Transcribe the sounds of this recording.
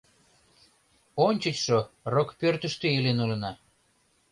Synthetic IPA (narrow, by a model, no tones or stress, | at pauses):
onʲt͡ɕət͡ɕʃorokpørt̪ə̆ʃt̪eelenulə̆nɑ